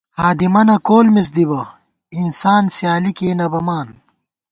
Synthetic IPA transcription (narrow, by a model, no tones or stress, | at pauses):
haːd̪imɐnɐkoːlmis̬d̪ibɐ | insaːnsjaːlikeːnɐbɐmaːn